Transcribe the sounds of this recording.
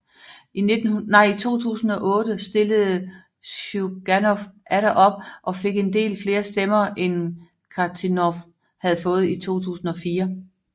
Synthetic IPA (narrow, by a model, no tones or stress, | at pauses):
ine̝d̥n̩nɑ̈ɪ̰it͡sʰo̝̰ːt͡sʰṵːsn̩ɒ̽ʔɔ̽ːd̥əsd̥e̝ləð̩ˠ | uɡ̥ænɔfʔæɾæʔɒ̽b̥̚ʔɒ̽fe̝ɡ̥e̝nd̥e̝̰ːlfle̝ːɐsd̥emɐʔen | kʰɑt͡sʰinɒf | hæð̩ˠfɔ̽ːð̞̩ˠit͡sʰo̝̰ːt͡sʰṵːsn̩ɒ̽fiːɐ